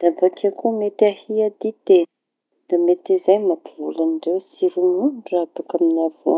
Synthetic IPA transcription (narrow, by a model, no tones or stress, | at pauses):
d̪̥abakʰakumet̪ahiad̪it̪e | d̪̥amet̪izajmapivulaniɖ͡ʐewsiɾunuɖ͡ʐurat̪ukaminav̥ua